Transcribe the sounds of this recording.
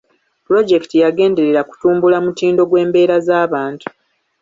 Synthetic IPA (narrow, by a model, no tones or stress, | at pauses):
puɾo̞ɟe̞ktijaɡe̞ːnde̞ɾe̞ɾaku̥tuːmbulamutiːndo̞ɡwe̞ːmbe̞ːɾazaːβaːntu̥